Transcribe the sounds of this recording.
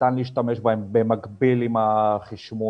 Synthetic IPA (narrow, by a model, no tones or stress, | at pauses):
tanliːʃt̪ame̞ʃbahembemakbilimaχiʃmo